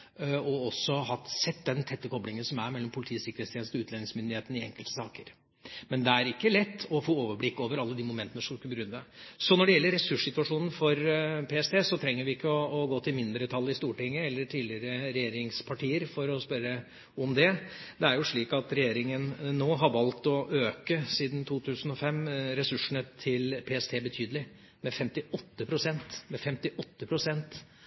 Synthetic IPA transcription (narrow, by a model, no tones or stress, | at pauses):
ɔɔsːɔɦɑt̪sɛt̪ːd̪ɛnt̪ʰɛt̪ːəkʰɔblɪŋənsɔmæɾmɛlːɔmpʰʊlɪt̪ʰiːsɪkəɾet̪st̪ʰeːnst̪ɔʉːt̪lɛnɪŋsmʏnd̪ɪeːt̪n̩ɪɛ̰ŋkəlt̪ə̥sɑːkəɾ | mɛnd̪ɛæɾɪkːəlɛt̪ːɔfoːoːʋəblɪkːoːʋəɾɑlːəd̪imʊmɛnt̪ənəʂɔmd̪skʉbəɡɾʉnd̪əsɔnɔɖɛjɛlːəɾːɛsʉʂɪt̪ʉɑʂuːnn̩fɔɾpʰeːɛst̪eːsɔt̪ʰɾɛŋːəɾʋɪɪkːəɔːɡoːt̪ʰɪlmɪnd̪ɾət̪ʰɑlːəɪst̪uːʈɪŋːəɛlːəʈʰiːdlɪɾəɾɛjeːɾɪŋspʰɑʈiːəɾfɔɾɔspœɾə | ɔmd̪ɛd̪ɛæɾjʊʂɭiːkɑt̪ɾɛjeːɾɪŋənnːoːɦɑɾʋɑlt̪ɔʔøːkəsiːd̪n̩t̪ʰuːt̪ʰʉːsn̩ɔfɛmːɾɛsʉʂəɳət̪ʰɪlpʰeːɛst̪ʰeːbət̪ʰyːd̪əlɪ | mɛfɛmt̪ɪɔt̪ːəpʰɾʊsɛnt̪mɛfɛmt̪ɪʔɔt̪ːəpʰɾʊsɛnt̪